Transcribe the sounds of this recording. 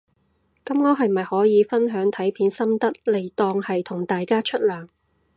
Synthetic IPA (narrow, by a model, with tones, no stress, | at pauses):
kɐ˨˥mŋɔː˨˥ɦɐ˨jmɐ˨jhɔː˨˥jiː˨˧fɐ˥nɦœː˨˥ŋt̪ʰɐ˨˥jpʰiː˨˥nsɐ˥mt̪ɐ˥t̚le˨˩jt̪ɔː˧ŋhɐ˨jt̪ʰʊ˨˩ŋt̪aː˨jkaː˥t͡ʃʰɵ˥t̚lœː˨˩ŋ